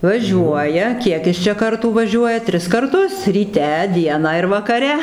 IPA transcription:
ʋɐˈʒʲuɔjɛ ˈkʲiɛk ɪs t͡ʃʲɛ ˈkɐrtuː ʋɐˈʒʲuɔjɛ ˈtʲrʲɪs kɐrˈtʊs rʲiːˈtʲɛ ˈdʲiɛnɑː ɪr ʋɐkɐˈrʲɛ

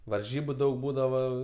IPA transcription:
ʋɐrʲˈʒʲiːbʊ ˈdɐʊk ˈbuːdɐʋoː

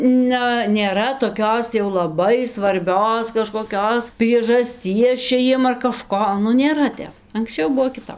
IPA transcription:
ˈnɐ nʲeːˈrɐ toːˈkʲoːs jɛʊ lˠɐˈbɐɪ sʋɐrʲˈbʲoːs kɐʃkoːˈkʲoːs pʲrʲiɛʒɐsʲˈtʲiɛs ˈt͡ʃʲɛ ˈjiɛm ɐr kɐˈʃkoː nʊ nʲeːˈrɐ ˈtʲɛp ɐŋksʲˈt͡ʃʲɛʊ ˈbuɔ kʲɪˈtɐp

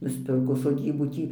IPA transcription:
nʊsʲˈpʲɪrkoː soːˈdʲiːbuː ˈtʲiː

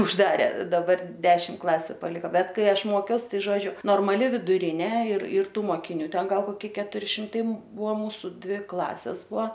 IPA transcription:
ʊʒˈdɑːrʲeː dɐˈbɐr ˈdʲæːʃʲɪm ˈklˠɑːsʲʊ pɐˈlʲɪkoː ˈbʲɛt ˈkɐɪ ˈɐʃ ˈmoːkʲɛʊs ˈtɐɪ ˈʒoːd͡ʒʲʊ noːrmɐˈlʲɪ ʋʲɪdʊˈrʲɪnʲeː ɪr ɪr ˈtuː moːkʲɪˈnʲuː ˈtʲɛn ˈɡɐlˠ koːˈkʲɪ kʲɛtʊˈrʲɪ ʃʲɪmˈtɐɪ ˈbʊʋoː ˈmuːsʊ ˈdʲʋʲɪ ˈklˠɑːsʲeːs ˈbʊɐ

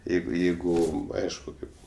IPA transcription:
ˈjɛɪɡʊ ˈjɛɪɡʊ ˈɐɪʃkʊ ˈkɐɪp

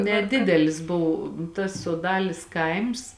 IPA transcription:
nʲɛˈdʲɪdʲɛlʲɪs ˈbʊw tɐs soːˈdɑːlʲeːs ˈkɐɪms

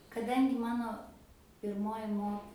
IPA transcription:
kɐˈdɐŋʲɡʲɪ ˈmɑːnoː pʲɪrˈmoːjɪ ˈmoːk

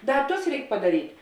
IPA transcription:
ˈdɐ ˈtʊs ˈrʲɛɪk pɐdɐˈrʲiːtʲ

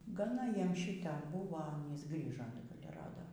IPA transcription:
ɡɐˈnɐ ˈjiɛm ˈʃʲiːtʲɛ ˈbuːʋɐ ˈɑːnʲiːs ˈɡrʲiːʒɐ ɪr ˈrɑːdoː

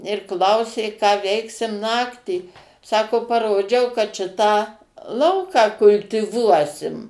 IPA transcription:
ɪr ˈklˠɐʊsʲeː kɑː ˈʋʲɛɪksʲɪm ˈnɑːktʲiː ˈsɑːkoː pɐˈroːd͡ʒʲɛʊ kɐt ˈʃʲɪtɑː ˈlˠɐʊkɑː kʊlʲtʲɪˈʋuɔsʲɪm

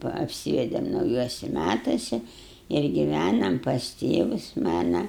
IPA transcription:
ʋɐ ɐpʲˈsʲiːʋʲɛdʲeːm nɐʊˈjuɔsʲɪ ˈmʲætɐsʲɪ ɪr ɡʲɪˈʋʲænɐm pɐs ˈtʲeːʋʊs ˈmɑːnɐ

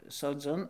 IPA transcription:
soːˈd͡zʲʊn

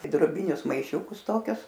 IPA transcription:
ɪ droːˈbʲɪnʲʊs mɐɪˈʃʲuːkʊs ˈtoːkʲʊs

